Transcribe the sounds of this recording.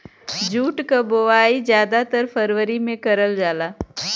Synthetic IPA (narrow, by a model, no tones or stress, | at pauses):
d͡ʒuːʈkaboʋaːizjaːd̪at̪əɾpʰəɾʋəɾimẽkɐɾəld͡ʒaːlaː